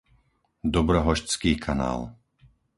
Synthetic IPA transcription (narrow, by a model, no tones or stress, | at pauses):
d̪ɔbɾɔɦɔʃt͡skiːkʰana̰ːl